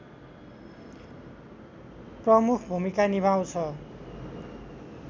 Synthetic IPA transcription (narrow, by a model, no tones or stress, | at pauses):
prʌmukʰbʱumikanibʱaw̃t͡sʰʌ